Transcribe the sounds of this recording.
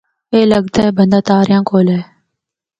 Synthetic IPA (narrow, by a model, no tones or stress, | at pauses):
eːləɡ̚t̪aːbə̃nd̪aːt̪aːɾɪjãːkoːlɛː